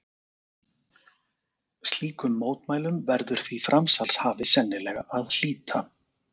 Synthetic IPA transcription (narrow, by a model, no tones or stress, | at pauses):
st̪liːkʏmːoːwt̪maːjlʏmvɛɾðʏɾ̥θvifɾamsalshaːvɪsɛnːɪlɛːɣaʔaðl̥iːt̪ʰa